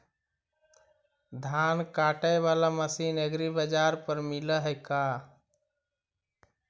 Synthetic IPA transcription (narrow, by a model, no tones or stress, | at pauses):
d̪ʱankaʈəjβalaməsineɡɾibəd͡ʒaɾpəɾmiləɦəɪka